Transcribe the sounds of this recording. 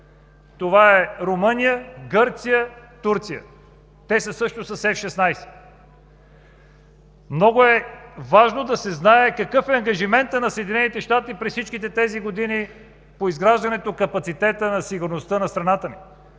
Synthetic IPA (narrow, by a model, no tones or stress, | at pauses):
t̪ovaɛɾomɤnijəɡɤɾt̪sijət̪uɾt̪sijə̰ | t̪ɛsəsɤʃt̪osɐsɛfʃɛsnajsɛ̥ | mnɔɡʊɛvaʒnod̪ɐsɛznaɛkɐkɤfɛɐŋɡɐʒimɛnt̪ənɐsəɛd̪inɛnit̪ɛʃt̪at̪ipɾɛssit͡ʃkit̪ɛt̪ɛziɡod̪ini | poizɡɾaʒd̪ɐnɛt̪okɐpɐt̪sit̪ɛt̪ənɐsiɡʊɾnost̪ənɐst̪ɾɐnat̪əni